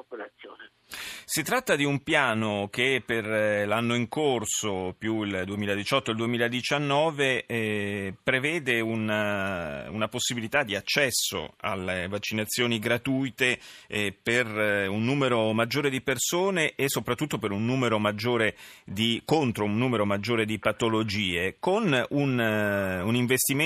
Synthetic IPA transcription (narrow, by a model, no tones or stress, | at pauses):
opolat̪sjo̰ːne | sit̪ːɾat̪ːad̪iumpjaːnok̟epːerlanːoiŋkorsopjuild̪uemiːlad̪it͡ʃɔt̪ːoild̪uemiːlad̪it͡ʃanːɔːve | pɾevɛːd̪eun | ṵnaposːibilit̪ad̪ːiat͡ʃːɛsːo̰a̰lːevat͡ʃːinat̪sːjoːniɡɾat̪uːjt̪eperunːuːmeɾomad͡ʒːoːɾed̪ipersoːneʔːsːopɾat̪ːut̪ːopeɾunːuːmeɾomad͡ʒːoːɾed̪ikont̪ɾounːuːmeɾomad͡ʒːoːɾed̪ipat̪olod͡ʒiːekonun | uniɱvest̪im